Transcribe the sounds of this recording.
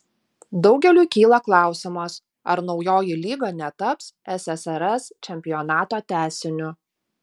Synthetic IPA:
d̪ɒʊɡʲɛlʲuːkʲiːlˠɐklˠɑˑʊsʲɪmɐs | ɐɾnɒʊjoːjɪlʲiːɡɐːnʲɛt̪ɐpsɛsɛsɛɾɛst͡ʃʲɛmʲpʲɪjɔːnɑːt̪oːt̪ʲæːsʲɪnʲʊ

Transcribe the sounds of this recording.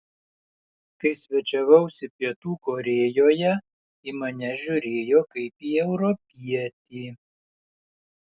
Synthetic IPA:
kɐɪsʲʋʲɛt͡ʃʲɛʋɐʊsʲɪpʲiɛt̪uːkoːɾʲeːjoːjɛ | imɐnʲɛʒʲʊɾʲeːjoːkɐɪpiːɛʊɾɔpʲiɛt̪ʲiː

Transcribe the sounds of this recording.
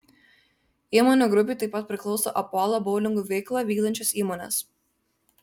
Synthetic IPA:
iːmoːnʲuːɡɾʊpʲiːˑt̪ɐɪpːɐt̪̚pʲɾʲɪklˠɒʊso̰ːʔɐpoːlˠobɔʊlʲɪŋɡuːʋʲɛɪklˠɑːʋʲiːɡd̪ɐnʲt͡ʃʲɛsiːmoːnʲɛ̰s

